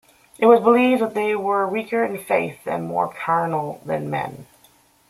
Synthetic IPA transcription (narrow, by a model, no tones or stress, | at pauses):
ʔɨt̚wʌzbəlivðət̪̚ðeɪwə˞wikʰə˞ɨ̃nfeɪθɨ̰̃nmɔ̰ɹkʰɜ˞nl̩ˠðɨ̃nmɛ̰̃n